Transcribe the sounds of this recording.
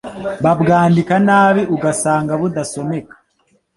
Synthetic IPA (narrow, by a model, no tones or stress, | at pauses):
βabɡaːndikanaːβiʔuɡasaːŋɡaβud̪aso̞me̞kḁ